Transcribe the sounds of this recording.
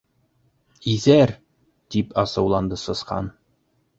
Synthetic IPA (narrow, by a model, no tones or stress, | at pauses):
iðæɾ | d̪̥ipɑsɤ̆wlˠɑnd̪ɤsɤ̆sqɑ̰n